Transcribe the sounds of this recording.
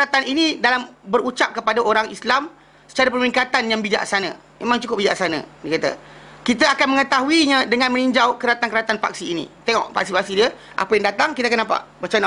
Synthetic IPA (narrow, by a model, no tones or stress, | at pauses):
kat̪aninĩdalambəɾut͡ʃap̚kəpadaʔoɾaŋislam | sə̥t͡ʃaɾapəmɾiŋkat̪anjaŋbid͡ʒa̰ʔsanã̰ | memãŋt͡ʃukʊp̚bid͡ʒaʔsanã̰nikat̪a̰kit̪əakanməŋət̪aɦuiɲãdəŋanmə̃niɲd͡ʒawkəɾat̪ankəɾat̪anfa̰k̚siːnḭ̃t̪eŋɔ̰ʔfak̚sipak̚sidiə | ʔa̰pəjaŋdat̪aŋkit̪akanːapa̰ʔbət͡ʃana